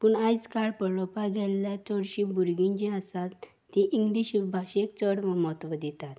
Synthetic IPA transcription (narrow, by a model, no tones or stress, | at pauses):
puɳajd͡zkaɽpəɽɭɔpaɡɛlːjat͡sɔɽɕibuɾɡĩɲd͡ʑĩasat̪ʰː | iʔiŋɡliɕibʱaɕekt͡səɽʋəmɔt̪ʋəd̪it̪at̪